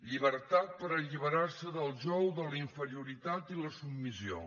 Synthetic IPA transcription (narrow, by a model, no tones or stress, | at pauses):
ʎiβəɾt̪at̪̚pəɾəʎiβəɾarsəðəlˠʒɔwðələiɱfəɾiuɾit̪at̪iləsubmisio̰